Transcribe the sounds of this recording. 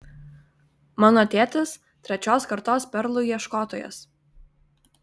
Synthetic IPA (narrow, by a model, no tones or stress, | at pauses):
mɑːnɔːt̪ʲeːt̪ʲɪs | t̪ʲɾʲɛt͡ʃʲoːskɐɾt̪oːspʲɛɾlˠʊiɛʃkoːt̪oːjo̰s